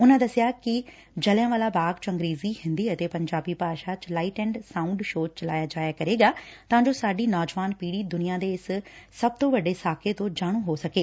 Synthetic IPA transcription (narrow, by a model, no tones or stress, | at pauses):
ʊnãːd̪əsɪjaːkɪ | d͡ʒəljãːʋaːlaːbaːɡt͡ʃə̃ŋɡɾeːziːhɪ̃nd̪iːət̪eːpəɲd͡ʒaːbiːpaːʃaːt͡ʃlaːiʈɛ̃ːɳɖsãːʊ̃ɳɖʃoːt͡ʃəlaːjaːd͡ʒaːjaːkəɾeːɡaːt̪ãːd͡ʒoːsaːɖiːnɔːd͡ʒʋaːnpiːɽiːd̪ʊnɪjãːd̪eːɪssəb̚t̪õːʋəɖeːsaːkʰeːt̪õːd͡ʒaːɽ̃õːɦoːsəkeː